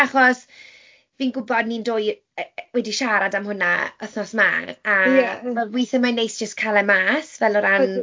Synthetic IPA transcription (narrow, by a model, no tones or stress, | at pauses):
aχɔs | viːnɡʊbɔdnindoːj | wɛdiʃaɾadamhʊna̰əθnɔsma̰avɛlwɪːθəmanejsd͡ʒ̥əskʰalˠɛmaːsvɛlɔɾan